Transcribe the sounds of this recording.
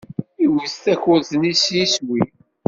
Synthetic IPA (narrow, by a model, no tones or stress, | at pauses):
iwist̪æçʊɾθnisjiswi